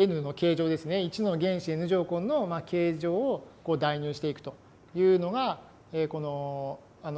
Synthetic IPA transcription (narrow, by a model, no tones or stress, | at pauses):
enɯ̟no̞ke̞ːʑo̞ːd̪e̞sɨne̞it͡ɕino̞ɡʲẽ̞ɰ̃ɕie̞nɯ̟ʑo̞ːko̞no̞make̞ːʑo̞ːoko̞ːd̪aiɲʲɨːɕi̥t̪e̞ikɯ̟̥t̪o̞ | jɯ̟ːno̞ɡa | eːko̞no̞ | ano